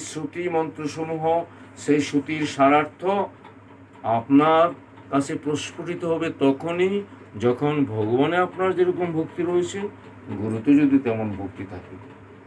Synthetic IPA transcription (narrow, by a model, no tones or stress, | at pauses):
ʃot̪imɔnt̪ɾoʃomuɦo | ʃejʃut̪iɾʃaɾaɾt̪ʰo | apnaɾ | kat͡ɕʰepɾoʃpoʈit̪oɦɔbet̪ɔkʰoni | d͡ʑɔkʰonbʱɔɡobaneapnaɾd͡ʑeɾokombʱokt̪iɾoet͡ɕʰe | ɡoɾut̪od͡ʑod̪it̪ɛmonbʱok̚t̪it̪ʰake